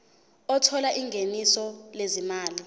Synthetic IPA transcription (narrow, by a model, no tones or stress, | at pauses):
ɔtʰɔlaʔiŋɡʱenisɔlezimaːli